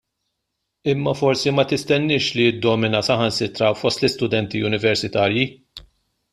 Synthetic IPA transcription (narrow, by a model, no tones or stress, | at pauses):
ɪmːɐfɔɾsimɐt̪ɪst̪ɛnːɪːʃliɪd̪ːɔmɪnɐsɐhɐnsɪt̪ɾɐwfɔst̪lɪst̪ʊd̪ɛnt̪iʊnɪvɛɾsɪt̪ɐːɾji